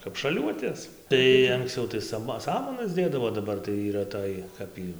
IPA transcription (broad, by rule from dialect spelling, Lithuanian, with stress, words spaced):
kɐp ʃɐˈlʲuɔtʲeːs tɐɪ ɐŋkˈsʲt͡sʲɛʊ tɐɪ ˈsɑːmɐ ˈsɑːmɐnɐs ˈdʲeːdɐʋoː dɐˈbɐr tɐɪ iːˈrɐ ˈtoːj ˈkɐp iː